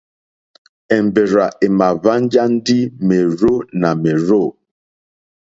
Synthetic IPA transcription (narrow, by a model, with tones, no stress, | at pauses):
ɛ˨m˨be˨ɾa˨ʔe˨ma˨va˦n˦d͡ʒa˦n̩˦di˦me˨ɾo˦na˨me˨ɾo˦˨